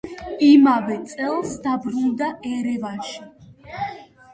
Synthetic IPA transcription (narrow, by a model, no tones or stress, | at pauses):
imavɛt̪sʼɛlˠsd̪abɾund̪aʔɛɾɛvaʃi